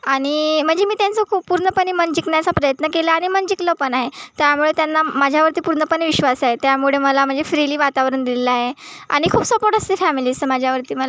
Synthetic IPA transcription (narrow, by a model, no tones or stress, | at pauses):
aɽ̃im̤əɳd͡zemiːt̪jant͡səkʰuːpːuɾɳəpəniːmənd͡ʑiknjat͡sapɾəjət̪nəkelaːɽ̃imənd͡ʑikləpənaɦet̪jamuɭet̪janːamad͡ʑʱjaʋəɾt̪iːpuɾɳəpənʋiɕʋasaɦet̪jamuɭeməlam̤əɳnd͡zefɾiliːʋat̪aʋɾəɳd̪ilelaɦea̰ɽ̃ikʰuːpsʋəpoʈəst̪efæmiliːəmad͡ʑʱjaʋəɾt̪iːməl